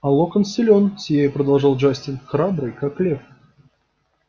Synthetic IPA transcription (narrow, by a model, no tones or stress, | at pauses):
ɐlˠokənsʲɪlʲonsʲjejəpɾəd̪ɐlˠʐɑlˠʐasʲtʲɪnxɾabɾɨjkaklʲef